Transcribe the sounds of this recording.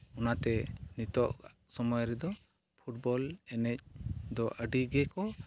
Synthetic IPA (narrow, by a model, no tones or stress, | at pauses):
unat̪ɛnit̪ɔʔ | sɔmɔjɾɛd̪ɔ | pʰuʈ̚bɔlɛnɛc̚d̪ɔʔəɖiɡɛkɔ